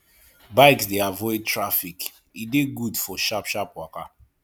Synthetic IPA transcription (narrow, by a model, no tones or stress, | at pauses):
baɪksdeavɔɪd̚tʰɹafik | ideɡudfɔʃapʃapwaka